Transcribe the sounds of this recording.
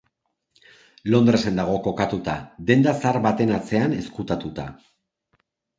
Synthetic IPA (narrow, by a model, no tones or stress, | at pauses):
lo̞nd̪ɾese̞nd̪aɣ̞o̞ko̞kat̪ut̪ad̪e̞nd̪asaɾβbat̪e̞nat͡se̞ane̞skut̪at̪ut̪a̰